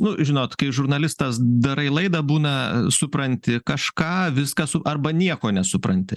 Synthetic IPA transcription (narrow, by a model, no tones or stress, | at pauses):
nʊʒʲɪnoːt̪kɐɪʒʊɾnɐlʲɪst̪ɐsd̪ɐɾɐɪlˠɐɪd̪ɐbuːnɐsʊpɾɐnʲt̪ʲɪkɐʃkɑːʋʲɪskɐsʊʔɐrbɐnʲiɛkoːnʲɛsʊpɾɐnʲt̪ʲɪ